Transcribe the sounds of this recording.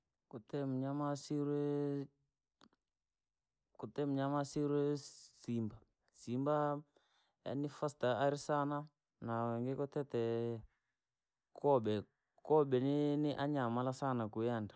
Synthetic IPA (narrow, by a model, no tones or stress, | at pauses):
kutɛmɲamasiɾɛ | kutɛmɲamasiɾɛsimba | simba | a̰nɪfastaːɾisana | naŋɡɪkɔtɛtɛ | kʰɔɓɛ | kɔɓɛnɪnɪʔaɲamalasanakujandḁ